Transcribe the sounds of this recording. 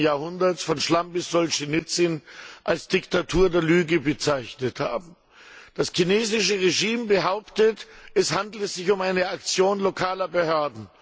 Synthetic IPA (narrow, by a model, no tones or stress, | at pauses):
jaːɐhʊndɐsfɔnʃlambɪsz̥ɔlʃɪnɪt͡sɪnʔalsd̥ɪktatʰuːɐdeːɐlyːɡəbət͡saɪçnətha̰ːbm̩ | d̥askineːzɪʃəʁeʒiːmbəɦaʊptətɛshandl̩əzɪçʊmaɪnəakt͡sjoːnlokʰaːlɐbəhøɐdn̩